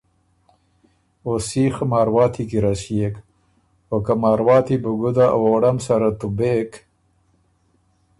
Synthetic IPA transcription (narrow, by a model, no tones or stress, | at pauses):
osiːxmɑːɾwɑːt̪ʰikiɾasjeːk | okamɑːɾwɑːt̪ibuɡud̪aʔa̰woːɽamsaɾat̪ubeːk